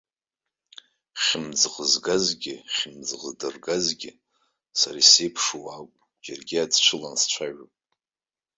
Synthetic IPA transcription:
χʲmd͡zqʼəzɡazɡʲɪχʲɪmd͡zʁʼədɨrɡazɡʲɪ | saɾase̞jpʰʂuwakʷʼ | d͡ʒarɡʲɪad͡zt͡ʃʷʰɨlanst͡ʃʷʰaɥopʼ

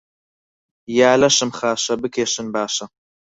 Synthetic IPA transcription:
jaːlɐʃɨmχaːʃɐbɨkʰeːʃɨnbaːʃɐ

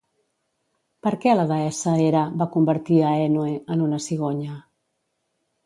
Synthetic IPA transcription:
pəɾkɛləɣəɛsəeɾəbakumbəɾt̪iəɛnueənunəsiɣ̞oɲə

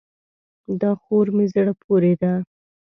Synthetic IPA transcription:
d̪ɑxoɾmezɽapʰoɾed̪a

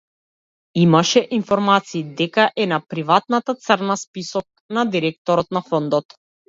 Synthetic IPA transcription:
imaʃɛʔinfɔɾmat̪siːd̪ɛkaʔɛnapɾivat̪̚nat̪at̪səɾnaspisɔk̚nad̪iɾɛk̚t̪ɔɾɔt̪nafɔnd̪ɔt̪

